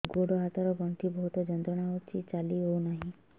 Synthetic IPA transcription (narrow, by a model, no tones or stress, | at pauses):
ɡoɽɔɦat̪ɔɾɔɡɔɳt̪ʰibɔɦut̪ɔd͡ʒɔnd̪ɔɽ̃aɔt͡ʃʰit͡ʃaliɦownaɦĩ